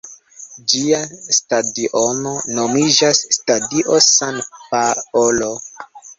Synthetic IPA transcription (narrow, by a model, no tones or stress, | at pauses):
d͡ʒiastadiʔono̞no̞mid͡ʒasːtadiʔosanpaolo̞